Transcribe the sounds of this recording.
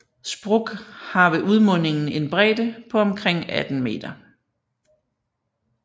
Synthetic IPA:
sb̥ʁɔɡ̥hɑ̈ʋe̝ʔuð̞ˠmɔ̽ne̝ŋn̩e̝nb̥ʁɛ̰ːd̥əpʰɒ̽ɒ̽mkʰʁeŋ̰æd̥n̩me̝̰ːd̥ɐ

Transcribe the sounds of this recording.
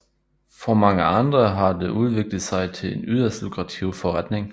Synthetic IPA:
fʁɒmɑ̈ŋəɑ̈nd̥ʁɐɦɑ̈d̥eʔuð̞ˠʋe̝ɡ̥lð̩ˠsɑ̈ɪt͡sʰe̝lenyðˠɐsd̥loɡʰʁɑ̈t͡sʰiʊfɒʁad̥ne̝ŋ

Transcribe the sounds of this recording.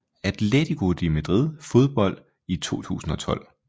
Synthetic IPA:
æd̥led̥iɡ̥o̝d̥imæd̥ʁið̰ˠfo̝ðˠb̥ɒ̽l̰d̥ | it͡sʰo̝̰ːt͡sʰṵːsn̩ɒ̽t͡sʰɒ̽l̰

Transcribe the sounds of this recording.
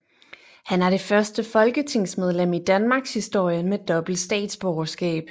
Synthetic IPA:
hænæɐd̥e̝fɶɐsd̥əfɒ̽lɡ̥ət͡sʰe̝ŋ̰smeð̞ˠlem̰id̥ænmɑ̈ɡ̥shisd̥o̝ɐ̰jənmed̥ɒ̽b̥l̩d̥sd̥ɛ̰ːd̥sb̥ɒʊɐsɡ̥ɛ̰ːb̥

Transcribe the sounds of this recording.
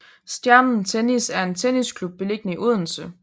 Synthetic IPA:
sd̥jæɐnn̩t͡sʰenisæɐe̝nt͡sʰeniskʰlub̥̚ːe̝le̝ɡ̥ənəiʔuð̰ˠn̩sə

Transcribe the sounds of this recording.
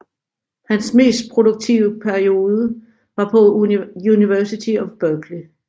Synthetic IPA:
hænsme̝̰ːsd̥̚pʰʁo̝doɡ̥̚t͡sʰiʊəpʰæɐio̝ːðˠə | ʋɑ̈pʰɒ̽juniʋæɐsit͡sʰiɒʋb̥œɡ̥li

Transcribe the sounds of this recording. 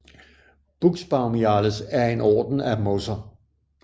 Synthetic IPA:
b̥uɡ̥sb̥ɑ̈ʊmiɑləsæɐe̝nɒ̰ːd̥n̩æmosɐ

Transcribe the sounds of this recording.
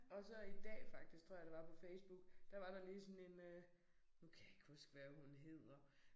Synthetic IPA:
ɒ̽sɒ̽id̥ɛ̰ːfɑ̈ɡ̥d̥isɡ̥t͡sʰoɐ̰jd̥eʋɑ̈pʰɒ̽feɪsb̥uɡ̥d̥ɑ̈ʋɑ̈ɾ̥ɑ̈liːdsɔ̽ne̝nø | nukʰæe̝ɡ̥husɡ̥ʋæːɐɦunɦe̝ð̞̰ˠɐ

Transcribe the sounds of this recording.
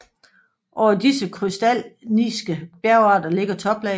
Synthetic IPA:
ʔɒ̰ʊ̰ɐdisəkʰʁysd̥ælniːsɡ̥əb̥jæɐʊɑ̈ːd̥ɐle̝ɡ̥ɐt͡sʰɒ̽b̥lɛ

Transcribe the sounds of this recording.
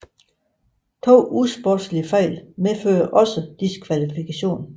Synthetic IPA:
t͡sʰo̝̰ːusb̥ɔ̥sliəfɑɪ̰lmefø̰ːɐʔɒ̽səd̥iskʰʋælifikʰæɕo̝̰ːn

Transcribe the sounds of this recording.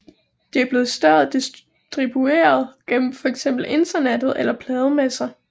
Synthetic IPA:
d̥eæɐb̥le̝ːð̞̩ˠsd̥ɶɐðˠd̥is | d̥ʁib̥ue̝̰ːɐð̞ˠɡ̥en̰m̩fɒ̽eɡ̥sem̰b̥l̩e̝nd̥ɐned̥ð̩ˠelɐpʰlɛːð̞ˠəmesɐ

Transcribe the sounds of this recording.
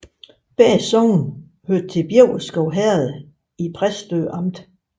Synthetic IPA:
b̥ɛ̰ːsɒʊn | høɐd̥̚t͡sʰe̝b̥jeʊ̰sɡ̥ɒʊɦɛɐð̩ˠ | ipʰʁasd̥ø̰ːʔɑ̈m̰d̥

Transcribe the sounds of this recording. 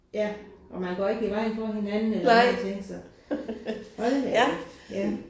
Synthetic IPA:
jæʔɒ̽mænɡ̥ɒ̰ːe̝ɡ̥iʋɑ̈ɪ̰nfɒɦe̝nænn̩elt͡sʰeŋ̰ɡ̥sɒ | ʋɒdemeid̥jæ

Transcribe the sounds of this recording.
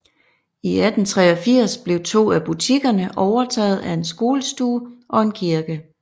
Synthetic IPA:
iæd̥n̩t͡sʰʁɛːɒ̽fiɐ̰sb̥le̝ʊt͡sʰo̝̰ːæb̥ut͡sʰiɡ̥ɐnəʔɒʊɐt͡sʰɛ̰ːð̞̩ˠæe̝nsɡ̥o̝ːləsd̥uːʔɒ̽e̝nkʰiɐɡ̥ə

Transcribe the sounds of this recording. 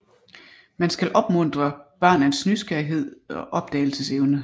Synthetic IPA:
mænsɡ̥ælʔɒ̽b̥mɔ̽n̰d̥ʁɐb̥ɑ̰̈ːnænsnysɡ̥æɐiɦe̝ð̰ˠɒ̽ʔɒ̽b̥̚d̥ɛ̰ːl̩səseʊnə

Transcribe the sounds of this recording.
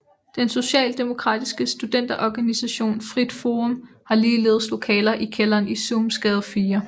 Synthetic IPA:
d̥enso̝ɕɛ̰ːld̥e̝mo̝kʰʁɑ̈ːd̥isɡ̥əsd̥ud̥en̰d̥ɐʔɒɡ̥ænisæɕo̝̰ːnfʁid̥foːʁɔm | hɑ̈liːle̝ːð̞ˠslo̝kʰɛ̰ːlɐʔikʰelɐːnisumsɡ̥ɛð̞ˠɐfiːɐ

